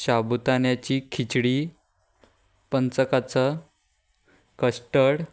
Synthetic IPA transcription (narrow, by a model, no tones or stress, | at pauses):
ɕabut̪anjat͡ɕiːkʰit͡ɕɽiː | pənt͡səkat͡sə | kəsʈəɽ